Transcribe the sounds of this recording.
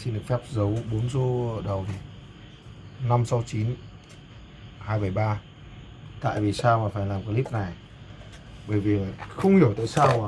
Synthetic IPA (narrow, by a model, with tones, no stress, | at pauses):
si˧nɗɨ˨˩ək̚fɛ˦˥p̚zə˨˦wɓo˨˦nzo˧ɗə˨˩wt̪ʰ | na˧msa˨˧˦wt͡ɕi˨˦n | haː˧jɓə˧˩jɓaː˧ | t̪a̰ː˧˨jvi˨˩saː˧wmaː˨˩faː˧˩jlaː˨˩mkaː˨˦li˦˥p̚na˨˩j | ɓəː˧˩jvi˨˩˨xə˧wŋ͡mhi˧˩əwt̪a̰ː˧˨jsaː˧waː˨˩